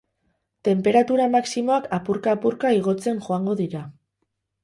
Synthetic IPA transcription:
t̪e̞mpe̞ɾat̪uɾamaksimo̞akʰapuɾkaːpuɾkaiɣ̞o̞t͡se̞ŋʝo̞aŋɡo̞ðiɾa

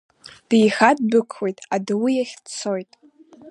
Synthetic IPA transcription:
d̥ijχad̚bɨkʷʰwejtʼadɨwijaχʲdt͡sʰo̞jtʼ

